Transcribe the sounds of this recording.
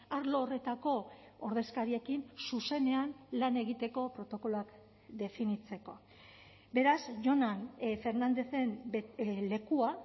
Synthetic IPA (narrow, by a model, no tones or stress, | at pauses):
aɾlo̞ːre̞t̪ako̞ | oɾð̞e̞skaɾie̞kinsuse̞ne̞anlane̞ɣ̞it̪e̞ko̞pɾo̞t̪o̞ko̞loak | d̪e̞finit͡se̞ko̞ | be̞ɾasʝo̞nanfe̞ɾnand̪e̞θe̞mle̞kua